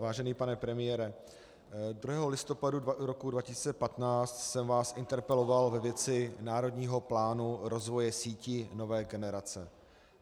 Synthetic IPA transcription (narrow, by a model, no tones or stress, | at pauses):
vaːʒɛniːpanɛpɾɛmɪjɛɾɛ | d̪ɾuɦɛːɦo̞lɪst̪o̞paduɾokudvacɪsi̥ːt͡sɛpat̪naːt͡st̪sɛmvaːsʔɪnt̪ɛɾpɛlo̞valvɛvjɛt͡sɪnaːɾo̞dɲiːɦo̞plaːnuɾo̞zvo̞jɛsiːcɪno̞vɛːɡɛnɛɾat͡sɛ